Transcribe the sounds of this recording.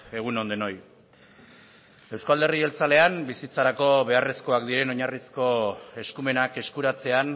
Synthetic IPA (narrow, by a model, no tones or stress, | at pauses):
e̞ɣ̞uno̞nd̪eno̞j | e̞wskald̪e̞rie̞lt͡sale̞ambisit͡saɾako̞βe̞are̞sko̞akd̪iɾe̞no̞ɲarisko̞e̞skume̞nake̞skuɾat͡se̞an